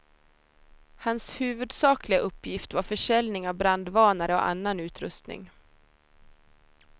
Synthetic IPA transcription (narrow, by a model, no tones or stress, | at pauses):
hanshʉ̟ːvɵd̪sɑːklɪɡaʔɵpːjɪft̪vaɾfœʂɛlnɪŋavbɾand̪vɑːnaɾəɔ̰ʔa̰nːanʉ̟ːt̪ɾɵst̪nɪ̰ŋ